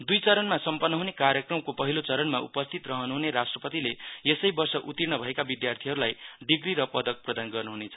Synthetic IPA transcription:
d̪ujt͡sʌɾʌnmasʌmpʌnːʌɦunekaɾjʌkrʌmkopʌɦilot͡sʌɾʌnmaṵpʌst̪ʰit̪rʌɦʌnuɦuneɾasʈrʌpʌt̪ileesʌjbʌrsʌʔut̪irnʌbʱʌekabid̪jart̪ʰiɦʌɾulajɖiɡɾiɾʌpʌd̪ʌk̚prʌd̪anɡʌrnuɦunet͡sʰʌ

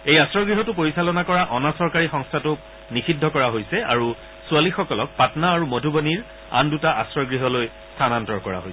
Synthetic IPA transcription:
ejasɹɔɡɹiɦɔtʊpoɹisalɔnakɔɹaʔɔnasɔɹkaɹixɔ̃ŋstʰatʊk | nixʰidʱːɔkɔɹaɦojsɛa̰ɹu | sualixɔkɔlɔk̚patnaːɹumodʱuboniɹ | a̰ndutaʔasɹɔɡɹiɦɔloj | stʰanantɔɹkɔɹa̰ɦojs

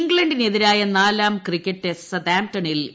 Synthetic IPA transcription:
ŋɡɭɐɳɖine̞ðiɾaːjɐnaːlaːmkrikʲːɐʈːessɐd̪aːmtɐɳil

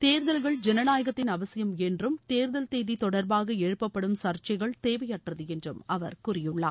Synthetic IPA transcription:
t̪eːɾðɐlɣɐɭd͡ʒɛnɐnaːjɐɣɐt̪ːɪnɐʋɐsɪjɐmɛndrɯmt̪eːɾðɐlt̪eːðit̪ɔɽɐɾbaːɣɐɛɻɯpːɐpːɐɽɯmsɐɾt͡ʃɐɪɣɐɭt̪eːʋɐjɐʈrɐðɯɛndrɯmɐʋɐɾkʊrɪjɯɭːɐː

